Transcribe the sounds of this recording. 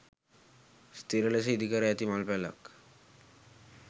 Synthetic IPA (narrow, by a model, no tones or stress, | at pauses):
st̪ʰiɾeles̬ed̪ʱikaɾeɛt̪imalpɛla̰k